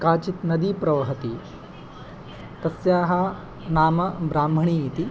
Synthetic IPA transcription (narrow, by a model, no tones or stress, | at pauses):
kaːt͡ʃit̪nɐd̪ipɾɐʋɐɦɐt̪i | t̪ɐsjaːɦɐ | naːmɐbɾaːmbʱɐɳiːt̪i